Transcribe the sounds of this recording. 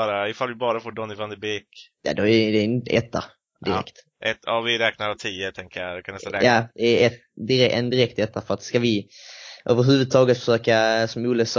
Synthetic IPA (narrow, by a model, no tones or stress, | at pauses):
ɾaɪfalvɪbɑːɾafoːɖɔnːɪvand̪əbeːkja̰d̪ɔæd̪ɛɪnt̪ɛ̰t̪ʰːa̰ | d̪ɪɾɛ̰kt̪ | ʔɛt̪ːaːvɪɾɛːknaɾat̪ʰiːət̪ʰɛŋkəjaɪkʰanɛlɛaːd̪ɛæɾɛt̪ | d̪ɪɾɛʔɛ̰nd̪ɪɾɛk̚t̪ɛt̪ːafœɾat̪skavɪʔø̰ːvəɾɦʉ̟ːvɵd̪̚t̪ʰɑːɡət̪fə̥ʂøːkasɔmuːləs